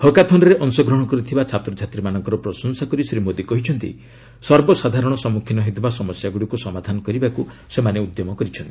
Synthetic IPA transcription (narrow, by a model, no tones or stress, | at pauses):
hɔkat̪ʰɔnɔɾeʔɔŋsɔɡɾɔɽ̃ɔkɔɾit̪ʰibat͡ʃʰat̪ɾɔd͡ʒʱat̪ɾimanɔŋkɔɾɔpɾɔsɔnsakɔɾisɾimod̪ikɔɦit͡ʃʰɔnt̪ḭ | sɔɾbɔsad̪ʱaɾɔɽ̃ɔsɔmukʰinɔɦit̪basɔmɔsjaɡuɽikusɔmad̪ʱanɔkɔɾibaku | semaneud̪jɔmɔkɔɾit͡ʃʰɔnt̪ii